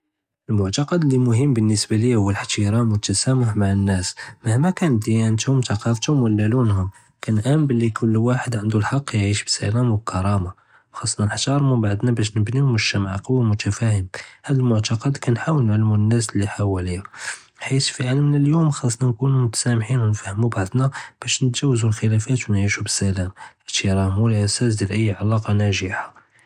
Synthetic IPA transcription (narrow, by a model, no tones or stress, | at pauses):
ʔəlmʊʕt̪ɑqɑd̪lːimʊɦəmːbənːəsbælihʊwːəlħt̪iɾˤɑmwət̪ːæsæmʊħmaʕənːæsmahmækænd̪ijænt̪hʊmt̪ɑqɑft̪hʊmwəlːælunɦʊm | kænʔæmbəlːikʰʊlːwaħəd̪ʕənd̪ulħɑqːjʕiʃbəsælæmwəb̚kʰɑɾˤɑma | wxɑsˤːnɑnħt̪ɑɾˤmubaʕd̪næbæʃnəbnihʊməʃːæmaʕqɑwːamʊt̪ʰæfæhəmhæd̪əlmʊʕt̪ɑqɑd̪kænħawəlnʕalmunːæslːiħawəliæ | ħit̪fiʕalmnəljumxɑsˤnɑnkunumʊt̪æ̥sæmħinwnfahəmubaʕd̪næb̥æʃnət̪ʒæwːəzulxəlæfæt̪wnʕiʃubə̥sælæmʕt̪iɾˤɑmwəlʔæsæsd̪jælʔəjːʕalɑqɑnæʒəħḁ